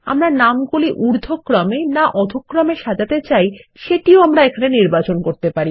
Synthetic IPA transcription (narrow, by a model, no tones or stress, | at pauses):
a̰mɾanamkoliʔuɾd̪ʱokːɾamenaʔɔd̪ʱokːɾameʃad͡ʑat̪et͡ɕajʃeʈioamɾaekʰaneniɾbat͡ɕonkoɾt̪epaɾi